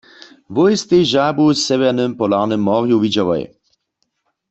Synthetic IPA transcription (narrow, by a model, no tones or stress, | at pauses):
vojst̪eʒabusɛvɛʁnɨmpɔlaʁnɛmːɔʁjuvid͡ʑaʋɔ̰j